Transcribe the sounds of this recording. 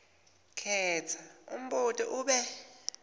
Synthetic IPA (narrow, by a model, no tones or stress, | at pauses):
kʰɛːt͡sʰaṵm̩ɓutʼiʔuːɓɛ